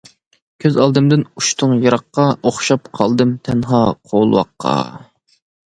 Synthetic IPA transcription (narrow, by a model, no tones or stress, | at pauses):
kʲʰøzɑlˠd̪ɨmd̪ɨnuʃt̪ʰʊŋjɑɾɑqːɑoχʃɑpqʰɑlˠd̪ɨmt̪ʰɛnɦɑːqʰoːlˠwɑ̰qʰːɑ̰